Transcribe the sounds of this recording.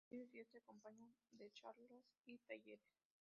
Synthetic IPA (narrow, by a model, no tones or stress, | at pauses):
iðesiot̪eakompaɲand̪et͡ʃaɾlosit̪aʝeɾes